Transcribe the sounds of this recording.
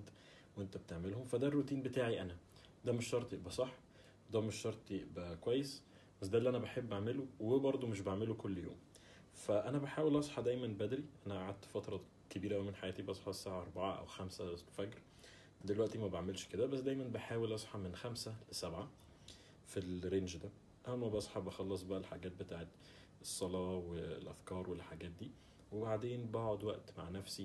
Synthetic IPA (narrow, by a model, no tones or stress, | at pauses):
d̪ | wʔent̪æbt̪eʕmelhomfæd̪ærːot̪iːnbet̪aːʕiʔænæ | d̪æːmeʃʃɑɾˤt̪ˤjeʔbæsˤɑħː | d̪æmeʃʃɑɾˤt̪ˤjeʔbækwæjːes | bæsd̪æliʔænæbeħebːʔaʕmelowebɑɾˤd̪ˤomeʃ̬baʕmelokolːjo̰ːm | fæʔænæbaħaːwelʔɑsˤħɑd̪æjmænbæd̪ɾiʔænæʔaʕad̪̚t̪fæt̪ɾˤɑ | kebiːɾæʔæwmenħajæːt̪ibʔɑsˤħɑsːaːʕaʔɑɾˤbaʕaʔæ̰wxæmsæfæɡɾ | d̪elwæʔt̪imæbaʕmelʃked̪æbæsːd̪æjmænbeħaːwelʔɑsˤħɑmenxæmsælesæbʕa | filɾenʒd̪æ | ʔææːæbɑsˤħɑbɑxɑlːɑsˤbæʔælħaɡæːt̪̚bet̪aːʕet̪ | esˤːɑlɑːwelʔæfkɑːɾˤwelħaɡæːt̪̚d̪iː | webaʕd̪eːnbɑːʕod̪wæʔt̪ma̰ʕnæfsi